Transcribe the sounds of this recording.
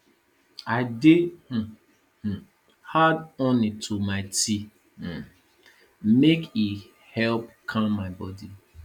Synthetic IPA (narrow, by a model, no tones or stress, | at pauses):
aɪdeh̩ | h̩ | hadɔ̃nitʰumaɪtʰi | meki | hɛlpkʰãmːaɪbɔdi